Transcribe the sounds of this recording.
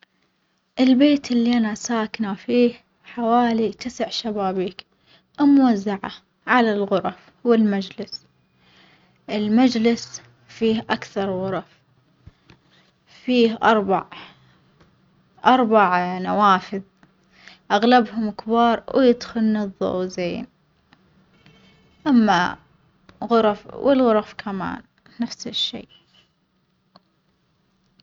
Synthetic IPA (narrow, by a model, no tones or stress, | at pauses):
ʔɪlbeːt̪ʔɪlːiʔanasaːknafiːh | ħawaːlit̪ɪsɪʕʃabaːbiːk | ʔɪmwazːaʕa̰ | ʕalalɣʊɾˤɑf | wɪlmad͡ʒlɪs | ʔɪlmad͡ʒlɪs | fiːhʔakθɑɾˤɣʊɾˤɑf | fiːhʔɑ̰ɾˤbaʕ | ʔɑɾˤbaʕnawaːfɪð | ʔaɣlabhʊmɪkbɑːɾˤwjɪd̪xʊlnɪðˤːo̰ːzeːn | ʔamːa̰ | ɣʊɾˤfwʔɪ̰lɣʊɾˤfkʰama̰ːnː | afsɪʃːḛː